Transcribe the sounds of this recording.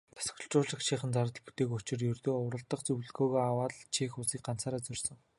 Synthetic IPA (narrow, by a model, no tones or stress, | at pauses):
t̪ʰḁs̆x̆ɬt͡ɕʊːɮə̆χt͡ɕʰiːχə̆nt͡saɾt̪ə̆ɮpu̥t̪eːkʊt͡ɕɪ̆rjɵrt̪oːʊɾə̆ɮt̪ə̆qt͡sɵwɮɣoːɣoːawaːɮt͡ɕʰiːxʊsiːk̚ɢan̥t͡saːɾaːt͡sɵrʲsɵ̆ŋ